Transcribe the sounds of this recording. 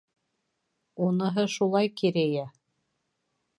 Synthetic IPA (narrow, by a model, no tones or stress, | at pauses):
unɤ̆ɦɤʃulˠɑjkiɾæjæ